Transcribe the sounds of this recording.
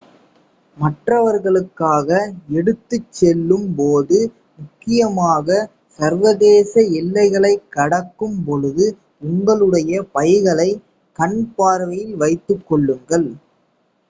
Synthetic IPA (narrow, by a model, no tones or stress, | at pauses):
mɐʈrɐʋɐɾɣɐɭɯkːaːɣɐɛɽɯt̪ːɯt͡ʃːɛlːɯmpoːðɯ | mʊkːɪjɐmaːɣɐ | sɐɾʋɐðeːsɐɪlːɐɪɣɐɭɐɪkːɐɽɐkːɯmpɔɻɯðɯ | ʊŋɡɐɭɯɽɐjɐpɐjɣɐɭɐɪ | kɐɳpaːɾʋɐjɪlʋɐɪt̪ːɯkːɔɭːɯŋɡɐɭ